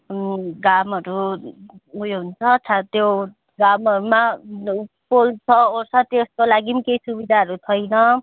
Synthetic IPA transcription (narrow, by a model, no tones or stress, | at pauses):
ɡamʌɾu | ujɦunt͡sʰʌʌt͡sʰat̪jo | ɡamʌɾuma | polt͡sʰʌosʰʌt̪eskolaɡimikejsubid̪ʱaʌɾut̪ʰʌjnʌ